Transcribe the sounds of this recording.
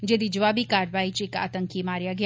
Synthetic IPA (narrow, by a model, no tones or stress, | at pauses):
d͡ʒed̪id͡ʒəʋaːbikaːɾʋaːit͡ʃeːka̰ːt̪ə̃ŋkimaːɾjaɡɐj